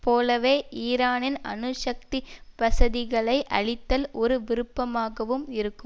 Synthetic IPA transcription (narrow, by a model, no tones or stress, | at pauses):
poːlɐʋeːʔiːɾaːnɪnɐ̰nɯʂɐk̚t̪ipɐsɐðɪɣɐɭɐɪʔɐ̰ɭɪt̪ːɐlɔɾɯʋɪɾɯpːɐmaːɣɐʋɯmɪɾɯkːɯ